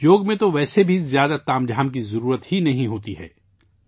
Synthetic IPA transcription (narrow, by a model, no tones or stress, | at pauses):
joːɡmẽt̪oʋɛːsebʱizjaːd̪at̪aːmd͡ʒʱaːmkizɐɾuːɾət̪ɦinɐɦĩɦoːt̪iɦɛ̰ː